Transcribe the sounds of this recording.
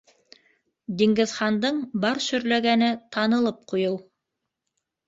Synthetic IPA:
d̪iŋɡɘ̆ðχɑnd̪ɤɴbɑɾʃɵ̆ɾlæɡænɘt̪ɑnɤ̆lˠɤp̚qujɤw

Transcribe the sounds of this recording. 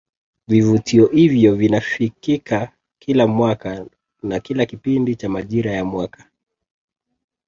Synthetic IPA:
vivutiɔhivjɔvinafikika | kʰilamwaka | nakilakipindit͡ʃamaʄiɾajamwakʰḁ

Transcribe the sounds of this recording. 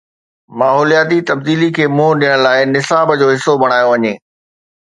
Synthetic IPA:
maːɦoːlijaːt̪̬it̪ɐb̚d̪iːlikʰeːmũːɗijəɽ̃laːɪnɪsaːbd͡ʑoːɦɪsːobɐɽ̃aːjoʋɐɲeː

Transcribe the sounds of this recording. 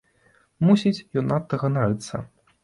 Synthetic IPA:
musʲit͡sʲjɔnat̪ːɐɣɐnaɾɨt̪sɐ̰

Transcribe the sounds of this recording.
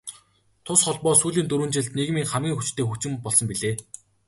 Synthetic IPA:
t̪ʰʊsχɔɮpɔːsuːɮiːnt̪uɾwŭːnt͡ɕɪ̆ɮt̪neɣmiːŋχæmɡʲiːŋxut͡ɕt̪ʰeːxuxʰt͡ɕɪ̆mpɔɮsɞ̆mpiɮeː

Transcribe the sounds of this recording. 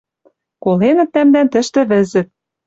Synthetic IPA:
kolenɤ̆t̪̚ːæmd̪ænt̪ɘ̆ʃt̪ɘ̆βɘ̆zɘ̆t̪̚

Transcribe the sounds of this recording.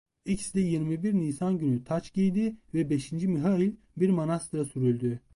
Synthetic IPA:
icsd̪ɛjiɾmibiɾniːsanɟynyt̪ʰat͡ʃɟijd̪ivɛbe̞ʃind͡ʒimiɦailʲ | biɾmonast̪ɾasyɾylʲd̪y

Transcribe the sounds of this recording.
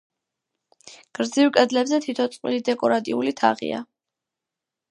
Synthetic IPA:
ɡ̥ɾd̪zivkʼɛd̪lɛbzɛt̪ʰit̪ʰɔt̪sʼqʼwilid̪ɛkʼɔɾat̪ʼiulit̪ʰa̰ʁḭa̰

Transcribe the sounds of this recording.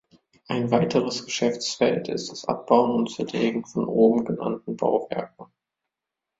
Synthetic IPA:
ʔaɪnvaɪtʰəʁ̞əsɡ̥əʃɛft͡sfɛltʰɪ̰std̥asʔa̰p̚b̥aʊənʊntt͡sɛɐleːɡŋ̩fɔnʔoːbm̩ɡəna̰ntn̩ba̰ʊvɛɐk̚ŋ̩

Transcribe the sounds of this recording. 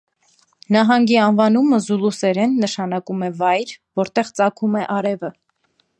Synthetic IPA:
nɑɦɑŋɡiɑnvɑnuməzulusɛɾɛnːəʃɑnɑkumɛvɑjɾvɔɾt̪ɛʁt͡sɑkʰumɛʔɑɾɛvə

